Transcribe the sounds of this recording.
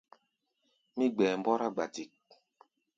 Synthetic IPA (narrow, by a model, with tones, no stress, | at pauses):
mi˦ɡ͡bɛː˨m˦bɔ˦ɾa˦ɡ͡ba˨ti˨k̚